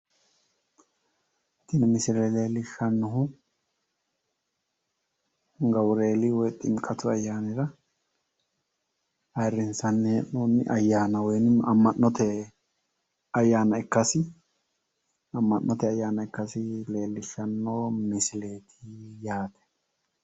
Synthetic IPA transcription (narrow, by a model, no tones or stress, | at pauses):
t̪ːɪnmɪsɪlɛle̞ːlːɪʃːɐnːɔɦʊ | ɡɐwɾe̞ːlɪwɔjt̪ʼɪmkʼɐt̪ʊɐjːaːnɪɾɐ | ɐrːɪnsɐnːɛɛʔnoːnːɪ̰ʔɐjːaːnɐwɔjnɐmːɐnːɔt̪ɛ | ɐjːaːnɐɪkːɐsɪ | ɐmːɐnːɔt̪ɛɐjːaːnɐɪkːɐsɪle̞ːlːɪʃːɐnːoːmɪsɪle̞ːt̪ʰɪjaːt̪ɛ̥